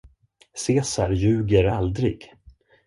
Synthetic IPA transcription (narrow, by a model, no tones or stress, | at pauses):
seːsaɾjʉ̟ːɡəɾald̪ɾɪ̰ɡ